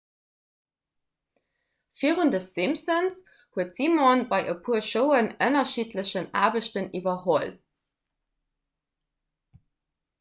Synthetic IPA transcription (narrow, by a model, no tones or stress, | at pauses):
fiːʁundəsz̥imsəns | huətz̥imɑnbɑɪʔəpʰuːɐʃoʊənənɐʃitʰləɕəna̰ːbəɕtənivɐhol